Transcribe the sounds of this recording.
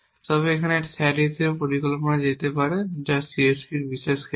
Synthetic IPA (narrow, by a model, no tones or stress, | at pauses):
sɔbekʰaneʈsʰɛɖit̪ʰiopɔɾikɔlpɔnad͡ʒat̪epaɾed͡ʒasiespiɾbisesk